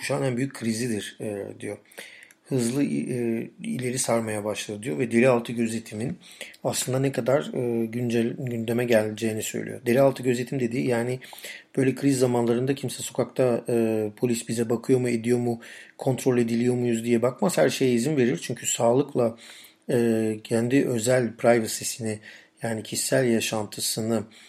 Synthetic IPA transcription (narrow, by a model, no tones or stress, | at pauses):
kʰu̥ʃaːnænbyjyc̚ʲʰkʰːɾizid̪iɾ̥ɛd̪ijo̞ | hɯzlˠɯ | ḭlʲe̞ɾisaɾmajabaʃlˠad̪ɯd̪ijo̞vɛd̪e̞lialˠt̪ʰɯɟø̞zlʲe̞t̪ʰiminaslˠɯnd̪anɛkʰad̪aɾɯːɟynd͡ʒɛɟynd̪e̞mɛɟælʲd͡ʒeːnisø̰jlʲḭjod̪e̞lʲialˠt̪ʰɯɟøzʲe̞t̪ʰimd̪e̞d̪iːjaːnɪb̥ø̞jlʲɛkʰɾizːamanlˠaɾɯnd̪acʰimsɛso̞kʰakt̪ʰaɯːpʰo̞lʲisbizɛbakʰɯjo̞mue̞d̪ijo̞mukʰo̞nt̪ʰɾo̞lʲe̞d̪ilʲijo̞mujuzd̪ijɛbakmashæɾʃe̞jɛizinve̞ɾiɾt͡ʃʰyɲcʰysaːlˠɯklˠa | ɯːcʰænd̪iʔø̞zælʲpʰɾajvɯsisiniɪjaːnicʰisːælʲjaʃant̪ʰɯsɯnɯ